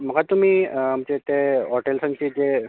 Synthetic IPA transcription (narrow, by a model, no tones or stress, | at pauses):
m̤əɡat̪um̤iːm̤t͡ɕet̪eɦɔʈelsənt͡ɕiːd͡ʑe